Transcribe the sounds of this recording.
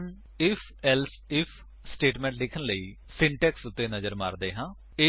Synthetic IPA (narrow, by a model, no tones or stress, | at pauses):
n | ɪpʰɛls | ɪpʰ | sʈeːʈmɛ̃ːɳʈlɪkʰənləiː | sɪ̃ɳʈɛːksʊt̪ːeːnəzəɾma̰ːɾd̪eːɦãː | ɪ